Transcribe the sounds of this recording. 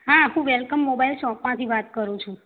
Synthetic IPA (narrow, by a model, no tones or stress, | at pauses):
ɦaɦũʋelkəmːobailʃɔ̃kmãt̪ʰiʋat̪kəɾũt͡ʃʰũ